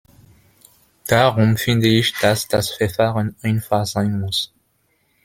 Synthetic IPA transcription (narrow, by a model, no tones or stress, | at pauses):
d̥aʁʊmfɪndəɪçd̥asd̥asfɛɐfaːʁənaɪnfaχz̥aɪnmʊs